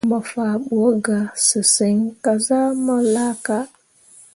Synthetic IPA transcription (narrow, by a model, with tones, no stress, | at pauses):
ma˨faː˨ɓu˨o˦ɡa˨sɨ˨se˨˦ŋka˨za˦ma˦la˦ka˦